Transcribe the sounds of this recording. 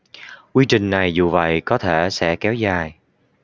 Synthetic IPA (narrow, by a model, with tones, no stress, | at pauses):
kwi˧t͡ɕï˨˩ŋ̟na˨˩jzu˨˩və̰˧˨jkɔ˨˦t̪ʰe˧˩sɛ̰˧˥kɛ˨˦wzaː˨˩j